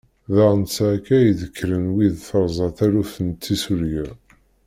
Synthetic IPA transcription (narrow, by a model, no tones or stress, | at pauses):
ðəʁnt͡sːækæjðəkʰːɾənwiðθəɾˤzˤɑθæɾuθənt̪ːisuɾjæ